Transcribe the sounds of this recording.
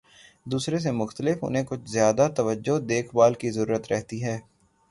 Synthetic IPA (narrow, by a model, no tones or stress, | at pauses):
d̪uːsɾes̬emʊxt̪əlɪfʊ̰nɦẽkʊt͡ʃʰzjaːd̪at̪ɐʋəd͡ʒːod̪eːkʰbaːlkizɐɾuːɾət̪ɾɛɦt̪iɦɛː